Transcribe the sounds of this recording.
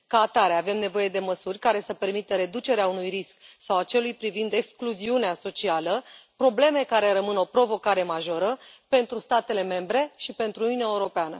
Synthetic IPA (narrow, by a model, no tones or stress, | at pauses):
kaːt̪aɾeave̞mne̞vo̞je̞d̪e̞məsurʲkaɾe̞səpe̞rmit̪əɾe̞d̪ut͡ʃe̞ɾeaunujrisksawat͡ʃe̞lujpɾivind̪e̞kskluziuneaso̞t͡ʃialəpɾo̞ble̞me̞kaɾe̞ɾəmɨno̞pɾo̞vo̞kaɾe̞maʒo̞ɾəpe̞nt̪ɾust̪at̪e̞le̞me̞mbɾe̞ʃipe̞nt̪ɾununʲaeuɾo̞peanə